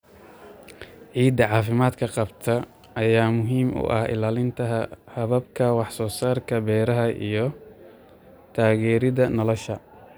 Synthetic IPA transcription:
ʕiːd̪ɐʕɑːfɪmaːd̪kʰɐqɑbt̪ʰɐ | ɐjaːmʊɦiːmʔʊ̰ʔɐ̰hɪ̰laːlɪnt̪ʰɐɦhɐβɐbkʰɐwɑħsɔːsaːrkʰɐbɛːɾɐɦɐʔḭjɞ | t̪ʰaːɣɛːɾɪðɐnɔlɔʃɐ

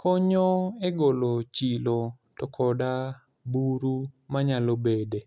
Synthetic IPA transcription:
kɔɲoeɡolot͡ʃilo | tɔkʰɔda | buɾumaɲalobede

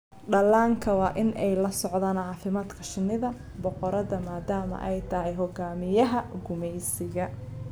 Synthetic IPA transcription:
ɖɐlaːŋkʰɐwɑːʔɪnʔɛjlɐsɔʕðaːnʕɑːfɪmaːd̪kʰɐʃɪnːɪðɐ | bɔqɔɾɐðɐmaːd̪aːmɐ̰ʔɛjt̪ʰɐɦɛjɦɔɡaːmɪjɐɦɐɡʊmɛjsɪɣɐ

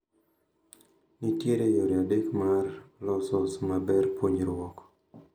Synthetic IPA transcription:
nitjeɾejoɾjadekmarlɔsɔsmabɛrpwoɲɾwɔk

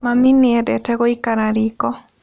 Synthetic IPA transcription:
maminɪɛdɛtɛɡɔikaɾaɾikɔ

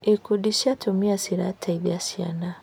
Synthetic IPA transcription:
ekudiʃatʰumiasiɾa̰tʰaiðjasia̰na

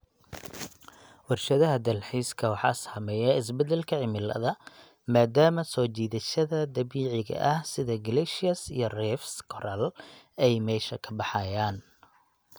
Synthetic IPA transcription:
wɑrʃɐðɐɦɐd̪ɐlħiːskʰɐwɑħɑ̰ːshɐmɛjɐɪs̬bɛd̪ɛlkʰɐʕɪmɪlɐ̰ðɐ | maːd̪aːmɐsɔːt͡ʃiːðɐʃɐðɐd̪ɐβiːʕɪɣɐ̰ʔɐhsɪðɐɡɐlɛʃɪɐsijɞrɛfskʰɔɾɐl | ɛjmɛːʃɐkʰɐbɑħɑjaːn

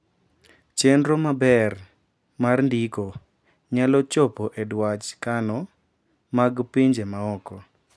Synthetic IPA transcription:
t͡ʃendɾomabɛr | marndiko | ɲalɔt͡ʃɔpɔʔedwat͡ʃkanɔ | maɡpiɲd͡ʒemaɔkɔ

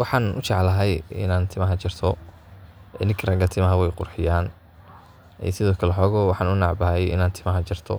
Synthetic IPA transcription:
wɑħɑːnʔʊ̰t͡ʃɑʕlɐɦɛjɪ̰naːnt̪ʰɪmɐɦɐt͡ʃɪrt̪ʰɔ | ɛnɪŋkʰrɐɡɐt̪ʰɪmɐɦɐwɛjqʊ̰rħɪjaːn | ɛ̰sɪðɔːkʰɐlɛħɔːɣɔːwɑħɑːnʊnɑʕbɐhɛjɪ̰naːnt̪ʰɪmɐɦɐt͡ʃɪrt̪ʰɔ̰

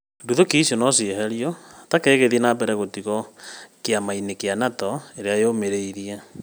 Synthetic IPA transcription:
duðokiːsjɔnɔsieɦɛɾijɔtakeːɣeðienaːpɛɾɛɣotiɣɔkeamainekeanatɔeɾeaejomeɾeiɾia

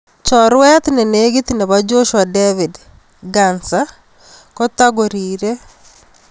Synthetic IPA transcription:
t͡ʃɔɾwɛt̪neneɡit̪ineβad͡ʒoʃwadevid | ɡansa | kɔt̪aɡoɾiːɾe

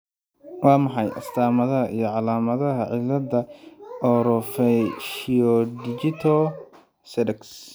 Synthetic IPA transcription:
wɑːmɑħɑjʔɐ̰st̪ʰaːmɐðɐɦɐʔijɞʕɑlaːmɐðɐɦɐʕɪlɐdɐɔɾɔfɛʃiɔdid͡ʒɪt̪ʰɔ | sɛdɛks

